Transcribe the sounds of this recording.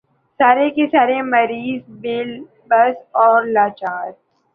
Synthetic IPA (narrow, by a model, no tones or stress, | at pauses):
saːɾekesaːɾemɐɾiːzbeːl | bɐsɔːɾlaːt͡ʃaːɾ